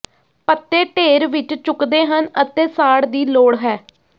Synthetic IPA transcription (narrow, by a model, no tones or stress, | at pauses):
pət̪ːeːʈeːɾʋɪt͡ʃt͡ʃʊkd̪eːɦənət̪eːsaːɽd̪iːloːɽɦɛː